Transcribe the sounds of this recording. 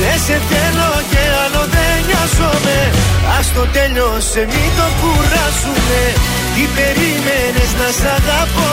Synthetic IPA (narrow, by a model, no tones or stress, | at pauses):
eset̪elokeanoðeɲasomeast̪ot̪eɲosemit̪okurasume | kipeɾimeneznasaðapo